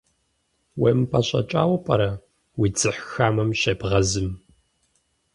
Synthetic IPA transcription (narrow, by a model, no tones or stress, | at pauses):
wempʰɐɕʼɐ̰t͡ʃʼa̰ːwɐpʼɐɾɐ | wid͡zɨħxaːmɐmɕɐbʁɐzɨm